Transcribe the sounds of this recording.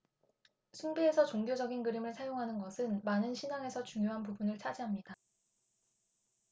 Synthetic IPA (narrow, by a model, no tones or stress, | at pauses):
sʰunbiesʰʌt͡ɕoŋɡjod͡ʑʌɡinɡɯɾimɯɭsʰajoŋɦanɯnɡʌsʰɯnmanɯnɕʰinaŋe̞sʰʌt͡ɕuŋjoɦanpubunɯɭt͡ɕʰad͡ʑiɦamɲida